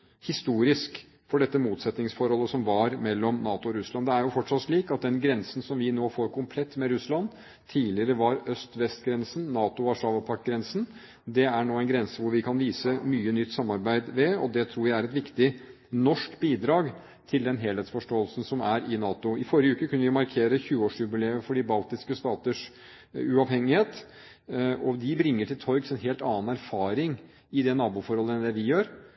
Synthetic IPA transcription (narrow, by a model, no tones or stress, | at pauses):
hɪst̪uːɾɪsk | fɔɖɛt̪ːəmuːt̪sɛt̪nɪŋsfɔɾhɔlːəsɔmʋɑɾmɛlːɔmnɑːt̪ʊɔɾʉslɑnd̪ɛæɾjʊfɔʈʂɑt̪ːʂɭiːkɑt̪̚d̪ɛnɡɾɛnsn̩sɔmʋɪnoːfoːɾkʰʊmpʰlɛt̪ːmɛɾʉslɑn | t̪ʰːiːlɪəɾəʋɑɾœst̪ʋɛst̪ɡɾɛnsən̩ːɑːt̪ʊɔɑʂɑːʋɑpʰɑkɡɾɛnsn | d̪ɛæɳoːæɛnɡɾɛnsəʋʊɾʋɪkʰɑnʋiːsəmyːənʏt̪ːsɑmːɑɾbæɪd̪ʋɛɔd̪ɛt̪ʰɾuːɾjæɪæɾɛt̪ʋɪkt̪ɪ | nɔʂkbiːd̪ɾɑːɡ | t̪ʰɪld̪ɛnɦeːlheːt̪sfɔʂʈoːəlsn̩sɔmæɾɪnɑːt̪ʊɪfɔɾjəʉːkəkʰʉnːəʋɪmɑɾkʰeːɾəçʉːəoːʂʉbɪleːəfɔɖiːbɑlt̪ɪskəst̪ɑːt̪əʂ | ʉɑʋhɛŋːɪheːt̪ | ɔd̪ɪbɾɪŋːəʈʰɪlt̪ʰɔɾɡsɛnɦeːlt̪ɑːnæɾfɑːɾɪŋ | ɪd̪ɛnɑːbuːfɔɾhɔlːəɛnd̪ɛʋɪjøːɾ